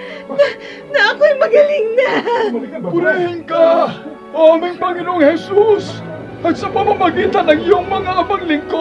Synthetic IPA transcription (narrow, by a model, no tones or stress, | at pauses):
nɐ | nɐʔɐkojmɐɡɐlɪŋna | bʊɾɐhɪnka | ʔoɐmɐŋpɐŋɪnoʔoŋhɛsus | ɐɡsɐpɐmamɐɡiːt̪ɐnɐŋjʊŋmɐŋaʔɐmaŋlɪŋko